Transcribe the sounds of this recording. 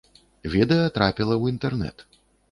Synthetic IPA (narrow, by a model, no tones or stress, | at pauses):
vʲɛd̪ɛjɐt̪ɾapʲilˠɐwint̪ɛrnɛ̰t̪